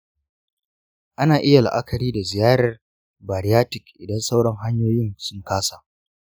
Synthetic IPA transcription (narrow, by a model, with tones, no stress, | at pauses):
ʔa˦naː˨ʔɪ˦ja˨l̰ʔa˦kʰɐ˨ɾiː˦da˨zɪ˨jaː˦ɽɐ˨r | baː˨ɽɪ˦jaː˦tɪ˨kʔɪ˨dɐ˦nsa˦wɽɐ˦ŋɦa˦ɲjoː˦jɪ˦nsʊ˦ŋkaː˦saː˨